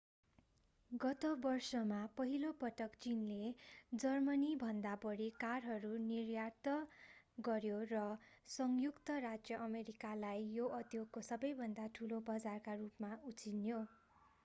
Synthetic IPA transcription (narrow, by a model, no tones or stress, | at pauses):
ɡʌt̪obʌrsʌmapʌɦilopʌʈʌkt͡sinled͡zʌrmʌnibʱʌnd̪abʌɽikarɦʌɾunirjart̪ʌ | ɡʌɾjorʌsʌŋjukt̪ʌrad͡zjʌʔʌmeɾikalajːoʔʌd̪joɡ̚kosʌbʌjbʱʌnd̪aʈʰulobʌd͡zarkarupmaut͡sinjo